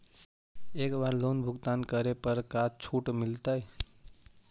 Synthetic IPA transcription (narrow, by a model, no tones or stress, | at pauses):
ekbaɾlonbʱuɡt̪ankəɾepəɾkat͡ʃʰuʈmilt̪əj